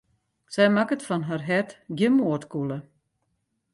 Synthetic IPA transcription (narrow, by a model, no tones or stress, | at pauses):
sɛjmakətfɔnɦarɦɛtɡjəmuətkulə